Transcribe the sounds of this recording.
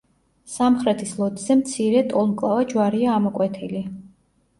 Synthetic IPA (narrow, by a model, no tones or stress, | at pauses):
samχɾɛt̪ʰislˠɔt̪ʼz̥ɛmt̪sʰiɾɛt̪ʼɔlˠmkʼlˠavad͡ʒwaɾiaːmɔkʼwɛt̪ʰili